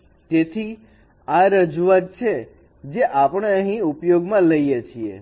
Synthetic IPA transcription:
t̪et̪ʰi | aɾəd͡ʒuʋat̪̚t͡ʃʰe | d͡ʒeʔapɳeəɦĩupjoɡmãləijet͡ʃʰiḛ

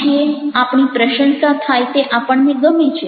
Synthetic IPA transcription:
ieapɳ̃ipɾəʃə̃nsat̪ʰajt̪eʔapəɳneɡəmit͡ʃʰe

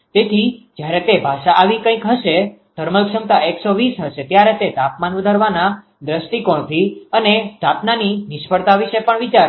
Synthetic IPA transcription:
t̪et̪ʰid͡ʒjaɾet̪ebʱaʃaʔaʋikə̃ĩkɦəʃe | d̪̥ʱəɾməlkʃəmt̪aeksoʋisɦəʃet̪jaɾet̪et̪apmanʋəd̪ʱaɾʋana | d̪ɾəsʈikoɳ̃t̪ʰiənet̪apnaninɪʃpəɽt̪aʋiʃepəɳʋit͡ʃaɾ

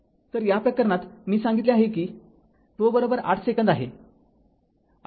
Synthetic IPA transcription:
t̪əɾjapəkːəɾɳat̪miːsaŋɡit̪leaɦekiː | t̪obəɾobəɾa̰ʈʰsekənd̪aɦe

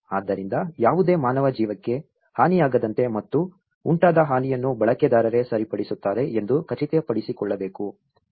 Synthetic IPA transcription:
aːd̪ːɐɾind̪ɐjaːʋud̪e̞ːmaːnɐʋɐd͡ʒiːʋɐkːe̞ | haːnijaːɡɐd̪ɐnt̪e̞mɐt̪ːu | uɳʈaːd̪ɐɦaːnijɐnːubɐɭɐked̪aːɾɐɾe̞sɐɾipɐɽisut̪ːaːɾe̞ʔend̪ukɐt͡ʃit̪ɛjɐpɐɽisikɔɭːɐbe̞ːku

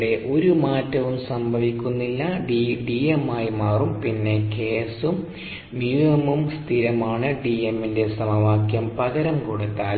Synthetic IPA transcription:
ɽe̞ʔo̞ɾumaːtːɐʋumsɐmbʱɐʋikʲːunːilːɐɖiɖiemːaːjmaːrumpinːe̞ke̞ːsum | mjuːɐmumst̪ʰiɾɐmaːɳɨɖiemːinde̞sɐmɐʋaːkjɐmpɐɣɐɾɐmkoɽut̪ːaːl

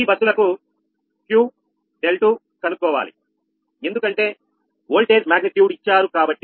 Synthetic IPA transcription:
ibɐsːulɐku | kjuː | ɖelʈu | kɐnukːɔːʋa̰ːlḭ | e̞nd̪ukɐɳʈe̞ː | oːlʈe̞ːd͡ʒmaːɡnit̪juːɽit͡ʃːaːɾukaːbɐʈːi

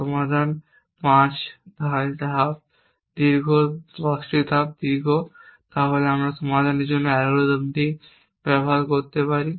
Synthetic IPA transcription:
sɔmad̪ʱan | pãt͡ɕd̪ʱat̪ɦap̚ | d̪iɾɡʱoɾasʈɾid̪ʱap̚d̪iɾɡʱot̪aɦoleamɾasɔmad̪ʱaneɾd͡ʑonːoɛɡulod̪əmt̪i | pɾɛbʱadkoɾt̪epaɾi

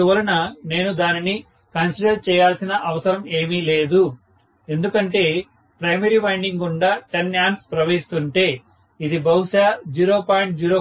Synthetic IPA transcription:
uʋɐɾɐnɐne̞ːnud̪aːnini | kɐnsiɖɐɾt͡ʃɛːjaːlsinɐʔɐʋɐsɐɾɐme̞ːmile̞ːd̪u | e̞nd̪ukɐɳʈe̞ː | pɾɐjmɐɾiːpɐjɳɖiŋɡuɳɖaːʈenjaːnspɾɐʋeːɦist̪uɳʈe̞ː | id̪ibɐɦuʂaːd͡ʒiːɾoːpaːjiɳʈ̚d͡ʒiːɾoː

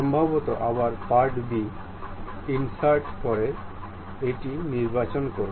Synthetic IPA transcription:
ɔmbʱabɔt̪ɔʔabaɾpaɾʈbi | insaɾʈpɔɾe | eʈiniɾbat͡ɕɔnkoɾ

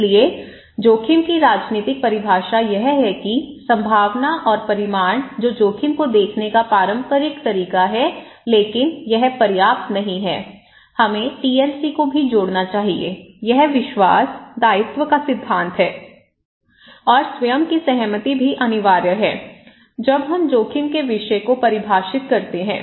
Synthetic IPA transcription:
lie | d͡ʒoːkʰɪmkiɾaːd͡ʒniːt̪ɪk̚pɐɾɪbʱaːʃajɐɦɦɛkisɐ̃mbʱaːʋnaʔɔːɾpɐɾɪmaːɳ̃d͡ʒoːd͡ʒoːkʰɪmkod̪eːkʰnekapɾaːɾə̃mpəɾɪkt̪ɐɾiːkaɦɛ | leːkɪnjɛɦpɐɾjaːp̚t̪nɐɦĩɦɛ̰ː | hɐmẽʈiːɛːnsikobʱid͡ʒoːɽnat͡ʃaːɦiḛjɛɦʋɪʃwaːsd̪aːɪt̪wəkasɪd̪ʱːãːnt̪ɦɛː | ɔːɾswɐjəmkisɐɦmət̪ibʱiʔɐnɪʋaːɾjəɦɛː | d͡ʒɐbɦɐmd͡ʒoːkʰɪmkeʋɪʃkopɐɾɪbʱaːʃɪt̪kɐɾt̪eɦɛ̰̃ː

